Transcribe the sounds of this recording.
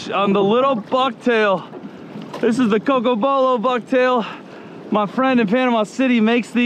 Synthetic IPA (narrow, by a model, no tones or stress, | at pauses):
n̩ðəlɪɾl̩ˠbʌk̚tʰeɪlˠ | ðɪs̬ɨzðɨkoʊk̬oboʊlˠoʊbʌk̚tʰeɪlˠ | maɪfɹɛ̃ndɨ̃nfæ̃nʌvmaɪsɪɾimeɪksði